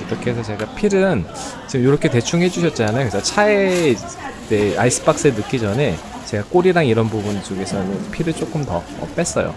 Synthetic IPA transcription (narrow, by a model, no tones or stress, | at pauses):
it͈ʌkʰes̬ʰʌt͡ɕe̞ɡapʰiɾɯnt͡ɕimjoɾʌkʰe̞te̞t͡ɕʰuŋɦe̞d͡ʑuɕʰʌt̚t͡ɕ͈anajoket͡ɕat͡ɕʰae | tea̰is͈ʰɯ̥p͈ak̚s͈enɯk͈id͡ʑʌne̞ | t͡ɕe̞ɡak͈oɾiɾaŋiɾʌnpubund͡ʑoɡe̞sʰʌnɯpʰiɾɯɭt͡ɕ͈ok͈ɯmtʌ | ʌ̰p͈e̞s͈ʌ̰jo̰